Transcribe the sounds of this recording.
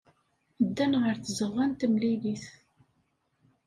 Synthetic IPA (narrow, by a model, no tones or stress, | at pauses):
əd̪ːænʁəɾθzəʁːænt̪əmliliθ